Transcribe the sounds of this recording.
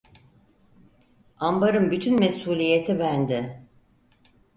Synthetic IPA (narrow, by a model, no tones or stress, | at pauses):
ambaɾɯmbyt̪ʰynmesuːlʲijet̪ʰibænd̪ɪ